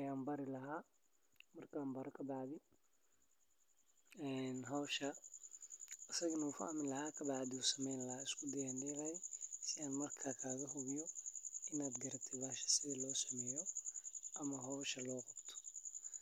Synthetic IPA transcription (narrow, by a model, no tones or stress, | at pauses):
ɐjaːmbɐɾɪlɐɦaː | mɐrkʰaːmbɐɾɔkʰɐbɑʕðɪ | ɛnɦɔwʃɐ | ʔɪsɐɣɐnɐufɐ̰hmɪlɐhaːkʰɐbɑʕd̪ɪuːsɐmɛjnlɐhaːɪskʰʊd̪ɐjaːndɛːɣaːjɛsɪaːnmɐrkʰaːkʰaːɣɐɦʊβɪjɔɪnaːd̪ɡɐɾɐb̚t̪ʰɛbaːʃɐ̥sɪðilɔːsɐmɛːjɔʔɐmɐɦɔwʃɐlɔːqɑbt̪ʰɔ̥